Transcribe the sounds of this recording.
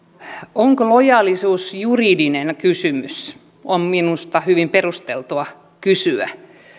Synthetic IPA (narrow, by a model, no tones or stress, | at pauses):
oŋkolojɑːlisuːsjuridinenkysymys | omminust̪ɑhyʋimperust̪elt̪uɑ | kysyæ̰